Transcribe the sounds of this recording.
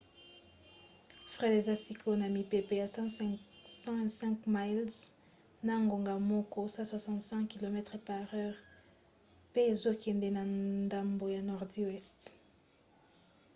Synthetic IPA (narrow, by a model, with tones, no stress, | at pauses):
fʁɛ˦de˨za˦si˨kʰo˦na˨mi˨pe˨pe˨ja˨s | sɑ̃˦vɛ̃˨nsɛ̃˦ŋkma˦jlz | na˨ŋɡo˨ŋɡa˨mɔ˦kɔ˦sa˦swa˨sɑ̃˨ntsɛ̃˦kki˨lo˨mɛ˦tʁpa˨ʁɛ˦ʁ | pe˦e˨zo˦kɛ˨nde˦na˨nnda˨mbo˨ja˨nɔ˨ʁdi˦wɛ˦st